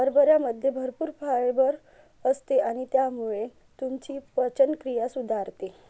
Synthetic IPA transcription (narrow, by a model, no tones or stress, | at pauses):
bəɾbəɾjaməd̪ʱjebʱəɾpuːɾfʰaɭeʋəɾ | əst̪eaɽ̃it̪jamuɭe | t̪umt͡ɕiːpət͡ɕənkɾijasud̪ʱaɾt̪e